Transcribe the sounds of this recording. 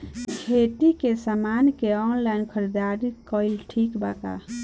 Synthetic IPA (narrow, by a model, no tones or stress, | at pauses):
kʰet̪ikesamankeɔnlaɪnkʰəɾid̪aɾikəilʈʰikbaka̰